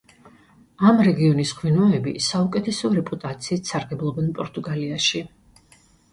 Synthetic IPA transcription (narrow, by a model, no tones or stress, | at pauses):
amɾɛɡiɔnisʁwinɔɛbisaukʼɛt̪ʰɛsɔɾɛpʼut̪ʼat̪sʰiːt̪saɾɡɛblˠɔbɛnpʼɔɾt̪ʼuɡaliaʃi